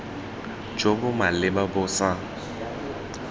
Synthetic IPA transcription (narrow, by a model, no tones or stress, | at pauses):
d͡ʒobʊmalɪbabʊsa